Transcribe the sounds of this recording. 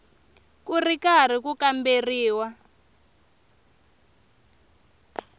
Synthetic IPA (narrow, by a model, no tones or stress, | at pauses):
kurikar̤ikukamberiːwa